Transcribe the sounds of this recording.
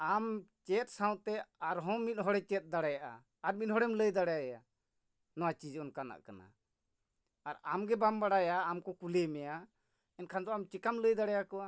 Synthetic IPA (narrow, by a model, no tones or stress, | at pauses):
amt͡ʃɛt̪̚saw̃t̪ɛaɾɦɔ̃mit̪̚ˀɦɔɽɛt͡ʃɛt̪̚ˀd̪aɽajaʔa̰ː | ɾminɦɔɽɛmləjd̪aɽajaja | nɔwat͡ʃid͡ʒɔnkana̰ʔkana̰ | aɾa̰mɡɛbambaɽajaːmkɔkulɛmɛja | ɛnkʰand̪ɔamt͡ʃikamləjd̪aɽajakɔa